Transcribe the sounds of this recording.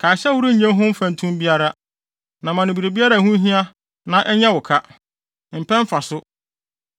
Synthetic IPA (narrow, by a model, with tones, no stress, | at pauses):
kʰa˨ɕɛ˦wu˦ɾu˦ɲ̩˨ɲɛ̃˦ɦʊ̃˦m̩˦fã˨n˨tʰũ˦m˦bi˦a˦ɾa˦ | nã˨mã˨nʊ̃˨bi˨ɾe˨bi˦a˦ɾa˦˨hũ˦ɦĩ˦a˦ | nã˨ʔɛ˦ɲɛ̃˦wʊ˨kʰa˦ | m̩˨pʰɛ̃˦m˦fa˨sʊ˦